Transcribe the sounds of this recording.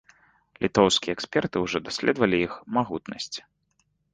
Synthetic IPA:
lʲʔit̪ɔwskʲijɛksʲpʲɛrt̪ɨwʐɔd̪asʲlʲɛ̰d̪vɐlʲiixmaɣut̪nɐ̰sʲt͡sʲ

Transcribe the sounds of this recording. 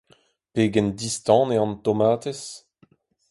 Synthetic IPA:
peːɡɛnd̪ist̪ɑ̃ːneɑ̃nt̪omaːt̪es

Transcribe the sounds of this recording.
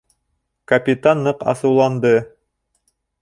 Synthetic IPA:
kɐpʲit̪anːɤqɑ̰sɤ̆wlˠɑnd̪ɤ

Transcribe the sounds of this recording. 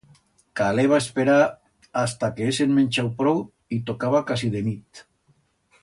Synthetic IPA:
kaleβ̞aespeɾa | ast̪akeesenmenʲt͡ʃawpɾow | it̪okaβakasiðenit̪

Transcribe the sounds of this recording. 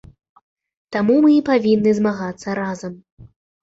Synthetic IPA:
t̪amumɨipavʲinːɨzmaɣat̪sːɐɾazɐm

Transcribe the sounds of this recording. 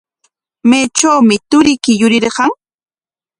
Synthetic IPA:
majt͡ʃawmɪt̪ʊɾɪkɪjʊɾɪɾɢɑŋ

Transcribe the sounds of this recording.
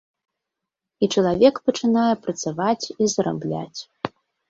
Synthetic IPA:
it͡ʂɐlˠavʲɛkpɐt͡ʂɨnajɛpɾɐt̪savat͡sʲizɾa̰blʲa̰t͡sʲ

